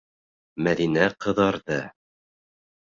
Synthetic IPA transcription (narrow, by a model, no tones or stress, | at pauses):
mæðinæqɤ̆ðɑɾðɤ